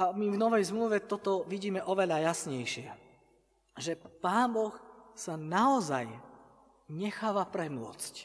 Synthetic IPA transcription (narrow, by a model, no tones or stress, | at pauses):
ʔamivnɔʋɛjzmluʋɛt̪ɔt̪ɔʋiɟiːmɛʔɔʋɛʎajasɲɛjʃɪɛ | ʒɛpaːnbɔxsanaɔzaj | ɲɛxaːʋapɾɛmʊɔ̰t͡sc